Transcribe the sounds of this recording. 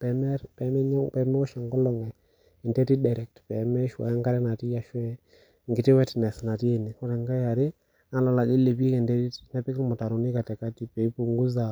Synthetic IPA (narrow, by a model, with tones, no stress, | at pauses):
pɛ˨mɛ˦ɾpɛ˨mɛ˦ɲɔ˦ŋpɛ˨mɛ˦ʊ˦ʃa˨ŋɡɔ˦lɔ˨ŋɛ˨ | ɪ˨ntɛ˦ti˦dɛ˨ɾɛ˨k̚tpɛ˨mɛ˦ʃwa̰˨˦ŋɡa˦ɾɛ˦na˨ti˦ja˨ʃwɛ˦ | ŋɡɪ˨tɪ˦wɛ˦tnɛ˨sna˨ti˦e˨ni˨kɔ˦ɾɛ˨ŋɡa˦ja˨ɾɪ˦ | a˨˦la˨la˨d͡ʒi˦le˨bi˦i˦kɛ˨ndɛ˦ti˦tnɛ˦pɪ˦kɪ˦lmʊ˨ta˨ɾʊ˨ni˦ka˨tɛ˨ka˦ti˦pɛ˨i˦pu˨ŋɡu˦za˨